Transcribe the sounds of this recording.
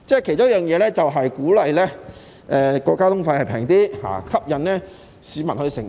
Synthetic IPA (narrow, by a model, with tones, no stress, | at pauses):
t͡sɛː˥˩kʰe˨˩jt͡ʃʊː˥jœː˨ŋjɛː˨˧lɛː˥t͡sɐ˨wɦɐ˨jkuː˨˥lɐ˨jlɛ˥ | ʔɛː˧kɔː˧kːaː˥t̪ʊ˥ŋfɐ˧jhɐ˨jpʰɛː˨˩ŋt̪iː˥ha̰ː˨˩kʰɐ˥p̚jɐ˨nnɛː˥ | siː˨˧mɐ˨nhɵ˧sɪ˨˩ŋ